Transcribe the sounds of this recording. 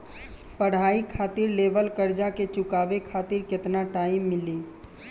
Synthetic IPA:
pəɽ̤ɦaːikʰaːt̪iɾleːbəlkəɾd͡ʒaket͡ʃʊkaːbekʰaːt̪iɾkɪt̪naʈaːɪmːɪliː

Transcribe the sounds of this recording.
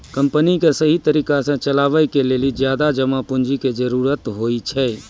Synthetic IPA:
kə̃mpənikesəɦit̪əɾiːkasẽt͡ʃəlaːʋəjkeleːlid͡ʒjaːd̪ad͡ʒəmapʊnd͡ʒiked͡ʒəɾuːɾət̪ɦoːit͡ʃʰɛː

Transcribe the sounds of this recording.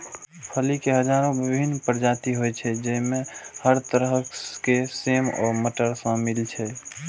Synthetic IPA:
pʰəlikeɦəd͡ʒaːɾõbɪbʱinːpəɾd͡ʒaːt̪iɦojt͡ʃʰɛd͡ʒəimẽhəɾt̪əɾɦəkkesemɔ̰ːɾməʈəɾsə̃milt͡ʃʰɛ

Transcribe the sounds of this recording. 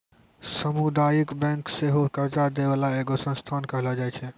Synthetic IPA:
səmud̪ajikbɛ̃ŋkseɦokəɾt͡ʃad̪ebalaeɡosə̃nst̪ʰankəɦlɔd͡ʒajt͡ʃʰɛ

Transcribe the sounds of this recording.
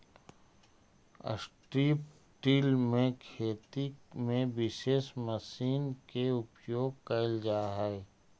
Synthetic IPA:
ə̰sʈɾiːp | ʈiːlmẽkʰeːt̪imẽʋɪʃeːʃməsiːnkeʊpjoːɡ̚kəld͡ʒaːɦɛe

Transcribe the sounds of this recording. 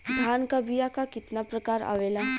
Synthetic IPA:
d̪ʱaːnkabijakakɪt̪napɾɐkaːɾa̰ʋeːla

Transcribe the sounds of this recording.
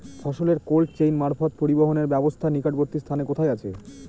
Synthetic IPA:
fʰɔʃoleɾkolʈt͡ɕejnmaɾfot̪̚poɾiboɦoneɾbɛbost̪ʰanikaɖboɾt̪ist̪ʰanekot̪ʰajat͡ɕʰḛ

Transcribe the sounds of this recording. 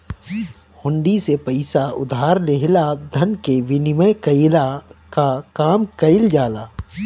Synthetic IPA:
hʊ̃ɳɖisepɐɪsaʊ̰d̪ʱaːɾleɦlad̪ʱɐnkeʋɪnɪməjkɐɪlakakaːmkɐɪld͡ʒaːlaː

